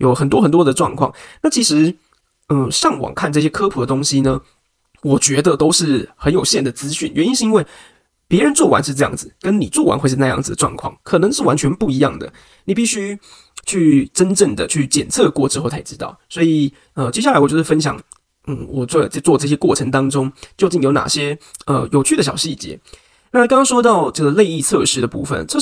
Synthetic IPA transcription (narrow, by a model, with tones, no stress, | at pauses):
jo˨˩ʊxə˨˩nt̪wɔ˥xə˨˩nt̪wɔ˥d̪ə˨ʈ͡ʂwɑ̰˥˧ŋkʰwɑ˥˨ŋna˥˩t͡ɕʰi˧˥ʂɻ̩˧˥ | ə˥˧˩ʂɑ˥˩ŋwɑ̰˨˩ŋkʰa˥˧nʈ͡ʂɤ˥˩ɕ̬jɛ˥kʰɤ˥pʰɤ˧˥d̪ə˧t̪o˥ŋɕi˥nə˨ | wɔ˨˩t͡ɕɥɛ˧˥d̪ə˨t̪o˥ʊʂɻ̩˥˩xə˧˥njo˨˩ʊɕjɛ˥˩nd̪ə˩t͡sɹ̩˥ɕy˥˩nɥɛ˧˦ni˥nʂ̩ɻ̩˥˧i˥nwe˥˩ɪ | pjɛ˧˥ɻə˧˦nt͡swɔ˥˩wa̰˧˥nʂɻ̩˥˧ʈ͡ʂɤ˥˧jɑ̰˥˩ŋd͡zɹ̩˩kə˦˥nni˨˩t͡swɔ˥˩wa̰˧nxwe˥˧ɪʂ̩ɻ̩˥˧na˧jɑ̰˥˩ŋd͡z̩˨˩d̪ə˩ʈ͡ʂwɑ̰˥˧ŋkʰwɑ̰˥˩ŋkʰɤ˨˩nɤ˧˦ŋʂɻ̩˥˩wa˧˦nt͡ɕʰɥɛ˧˥npu˥˩i˧˥jɑ˥˩ŋd̪ə̰˩ | ni˨˩pi˥˩ɕy˥ | t͡ɕʰy˥˩ʈ͡ʂə˥nʈ͡ʂə˥˩ŋd̪ə˩t͡ɕʰy˥˩t͡ɕjɛ˨˩nt͡sʰɤ˥˧kwɔ˥˩ʈ͡ʂɻ̩˥xt͡sʰa˥˩ɪ˩ʈ͡ʂɻ̩˧˥t̪ɑ̰˥˩ʊswɔ˧˥i˨˩ | ə˧t͡ɕjɛ˥ɕja˥˩a˧˥ɪwjʂfə˥nɕ̬jɑ̰˨˩ŋ | n̩˥˩wɔ˨˩t͡sɔ˥˩˨t͡swɔ˥˧t͡sɤ˥˩ɕjɛ˥kwɔ˥˩ʈ͡ʂʰɤ˧˥ŋt̪ɑ˥ŋʈ͡ʂʊ˥ŋt͡ɕjo˥˧ʊt͡ɕi˥˩ŋjo˧˥ʊna̰˨˩ɕjɛ˥ə˧jo˨ʊt͡ɕʰy˥˩ə˩ɕjɑ˨˩ʊɕi˥˩t͡ɕjɛ̰˧˥˦ | na˥˩˨kɑ˥ŋkɑ˥ŋʂwɔ˥t̪ɑ˥˧ʊʈ͡ʂɤ˥˩ɡə˩le˥˧ɪi˥˧t͡sʰɤ̰˥˧ʂɻ̩˥d̪ə˨pu˥˩fə̰˩nt͡sʰɤ˥˧˥